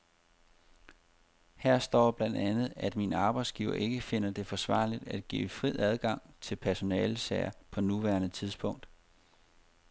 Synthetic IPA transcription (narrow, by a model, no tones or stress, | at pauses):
hæɐ̰sd̥ɒ̰ːb̥lænd̥ænð̞̩ˠæd̥minɑ̈ːb̥ɑ̈ɪd̥sɡ̥iːʊɐ̰ʔe̝ɡ̥əfe̝n̰ɐd̥e̝fɒ̽sʋɑ̰̈ːlid̥æd̥̚ɡ̥ḭːfʁið̰ˠæð̞ˠɡ̥ɑ̈ŋ̰t͡sʰe̝lpʰæɐso̝nɛːlsɛɪɐpʰɒ̽nuʋæːɐnət͡sʰiðˠsb̥ɔ̽ŋ̰d̥